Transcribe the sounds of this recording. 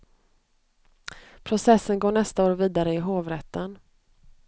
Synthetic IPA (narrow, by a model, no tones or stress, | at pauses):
pʰɾʊsɛsːənɡoːɳɛst̪aoːɾviːd̪aɾəɪɦoːvɾɛt̪ʰːən